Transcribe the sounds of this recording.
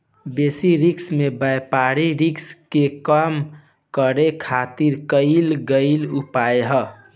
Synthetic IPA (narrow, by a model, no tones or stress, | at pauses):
besiɾiksmebəjpaɾiɾikskekəm | kəɾekʰat̪iɾkəɪlɡəɪlupaeɦə